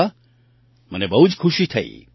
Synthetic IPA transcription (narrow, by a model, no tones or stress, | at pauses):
a | mənebəɦud͡ʒkʰuʃit̪ʰəḭ